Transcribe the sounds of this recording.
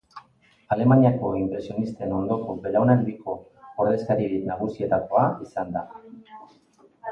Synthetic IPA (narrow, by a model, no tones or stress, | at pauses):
ale̞maɲiako̞impɾe̞sio̞nist̪e̞no̞nd̪o̞ko̞be̞lawnand̪iko̞ | oɾðe̞skaɾiinaɣusie̞t̪ako̞aisand̪a